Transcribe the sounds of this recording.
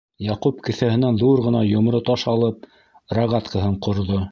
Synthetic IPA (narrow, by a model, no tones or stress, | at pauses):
jɑqupkɘ̆θæhɘ̆nænðuɾʁɤ̆nɑjŏmɾɤt̪ɑʃɑlˠɤp̚ | raʁɑt̪kəɦɤɴqŏɾðo